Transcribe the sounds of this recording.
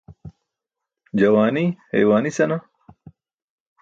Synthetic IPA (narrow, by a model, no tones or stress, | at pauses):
d͡ʑɐwaːnihḛjwaːnisɐna